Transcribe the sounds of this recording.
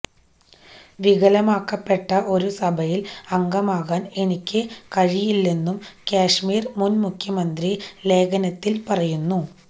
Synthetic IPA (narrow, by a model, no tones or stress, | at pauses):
ʋiɣɐlɐmaːkːɐpːe̞ʈːɐʔo̞ɾusɐbʱɐjilɐŋɡɐmaːɣaːne̞nikʲːɨkɐɻijilːe̞nːumkaːʂmiːrmunmukʰjɐmɐnd̪rile̞ːɡɐnɐt̪ːilpɐrɐjunːu